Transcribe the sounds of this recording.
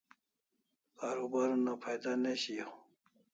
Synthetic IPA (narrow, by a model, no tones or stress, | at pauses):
kaɾubaɾunapʰajd̪aneɕio